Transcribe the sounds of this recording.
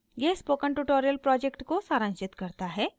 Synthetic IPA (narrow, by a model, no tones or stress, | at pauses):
jespoːkəɳʈuʈoːɾijəlpɾɔːd͡ʒekʈkosaːɾə̃nt͡ʃɪt̪kɐɾt̪aɦɛː